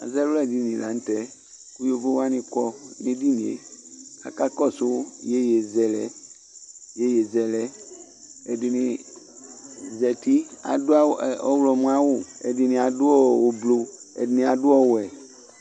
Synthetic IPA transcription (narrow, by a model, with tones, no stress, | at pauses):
a̰˨zɛ˦wlɛ˦˨di˦nĩ˨la˨n̩˦tɛ˦ | ku˦jo˦bo˦wa˦nɪ̃˨kɔ˦nɪ˦di˦nĩ˨ḛ˨a̰˨ka˦kɔ˦sʊ˦je˦je˨zɛ˨lɛ˨ | je˦je˨zɛ˨lɛ˦ | ɛ˨dɪ˨nɪ˨ | zɛ˨ti˦a̰˨dʊ˦a˦˨ɔ˦wlɔ˨mũ˦a˦wʊ˨ɛ̰˨dɪ˨nɪ̃˨a˨dʊ˦ɔ˦˨wo˨blo˨ɛ̰˨dɪ˨nɪ̃˨a˨dʊ˦ɔ˦wʊ˨ɛ˨